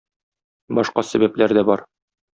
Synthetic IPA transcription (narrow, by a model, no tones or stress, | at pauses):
bɒʃqɑsæbæplæɾd̪æbɒɾ